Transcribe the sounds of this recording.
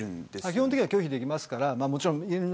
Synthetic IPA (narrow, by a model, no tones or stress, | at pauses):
ɾɯ̃nd̥̪esmakʲiɦõt̪ekiɲimakʲo̞ːçid̪e̞kʲimasɨ̥kaɾamaːmo̞t͡ɕiɾõŋien